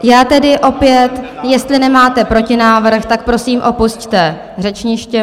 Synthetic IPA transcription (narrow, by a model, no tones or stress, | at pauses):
jaːt̪ɛdɪʔo̞pjɛt̪jɛst̪lɪnɛmaːt̪ɛpɾo̞cɪnaːvr̩xt̪ak̚pɾo̞siːmʔo̞pusct̪ɛ | r̝ɛt͡ʃɲɪʃcɛ